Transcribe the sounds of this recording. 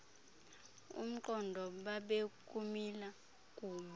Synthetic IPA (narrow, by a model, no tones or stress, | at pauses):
ṵm̩ǃɔndʱɔɓaɓekʼumila | kʼuːɓa